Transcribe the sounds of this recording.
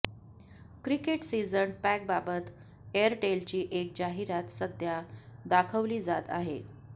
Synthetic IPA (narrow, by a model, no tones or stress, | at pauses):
kɾikeʈsid͡zənpæk̚babət̪ | eəɾʈelt͡ɕiːʔek̚d͡ʑaɦiɾat̪səd̪ʱjad̪akʰəʋliːd͡zat̪a̰ɦḛ